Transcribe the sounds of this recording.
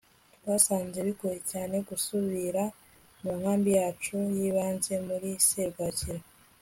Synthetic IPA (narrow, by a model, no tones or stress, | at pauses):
βasaːnze̞βikujecaːne̞ɡusuβiɾa | muŋ̥haːmbijaːt͡ʃujiːβaːnze̞muɾiseɡaɟiɾo